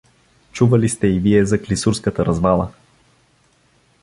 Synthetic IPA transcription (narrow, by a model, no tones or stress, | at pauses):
t͡ʃuvɐlist̪ɛiviɛzɐklisuɾskət̪əɾɐzvalˠə